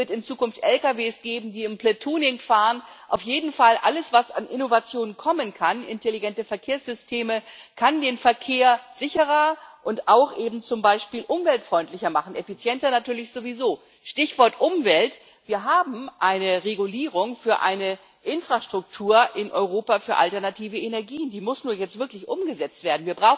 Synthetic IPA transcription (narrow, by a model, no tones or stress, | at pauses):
vɪɐtɪnt͡suːkʊnftʔɛlkaveːsɡ̥eːbm̩diːɪmplɛtʰuːnɪŋfaːʁənʔa̰ʊfjeːdn̩falʔa̰ləsv̥asa̰nʔɪnovat͡sjoːnənkʰɔmənkʰanʔɪ̰ntʰeliɡɛntəfɛɐkʰeːɐsz̥ʏstʰeːməkʰandeːnfɛɐkʰeːɐz̥ɪçəʁɐʔʊntaʊxʔeːbm̩t͡sʊmbaɪʃpiːlʔʊmvɛltfʁ̥ɔʏntlɪçɐmaχn̩ɛfit͡sjɛntɐnatyːɐlɪçz̥ovizoː | ʃtɪçv̥ɔɐtʔʊmvɛlt | v̥iːɐɦaːbm̩ʔaɪnəʁeɡuliːʁʊŋfyːɐʔa̰ɪnə | ʔɪnfʁ̥aʃtʁ̥ʊk̚tʰuːɐʔɪnʔɔʏʁoːpafyːɐʔa̰ltɛɐnatʰiːvəenɛɐɡiːəndiːmʊsnuːɐjɛt͡stvɪɐklɪçʔʊmɡəzɛt͡stv̥eːɐdn̩viːɐbʁaʊx